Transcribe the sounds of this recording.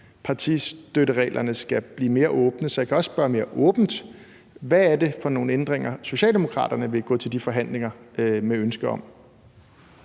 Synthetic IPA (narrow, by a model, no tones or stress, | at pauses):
pʰɑ̈t͡sʰisd̥øɾəʁɛ̰ːlʔɐnəsɡ̥æb̥liːme̝ːɐʔɔ̽ːb̥nəsɒ̽jɑ̈kʰæɒ̽ssb̥ɶɐme̝ːɐʔɔ̽ːb̥n̩d̥ | ʋææɐde̝fɒ̽no̝ːn̩end̥ʁeŋ̰ɐso̝ɕɛ̰ːld̥e̝mo̝kʰʁɑ̰̈ːd̥ɐnəʋe̝ɡ̥ɔ̰̽ːt͡sʰe̝ld̥ifɒ̽ɦæn̰le̝ŋɐmeønsɡ̥ɐɒ̽m̰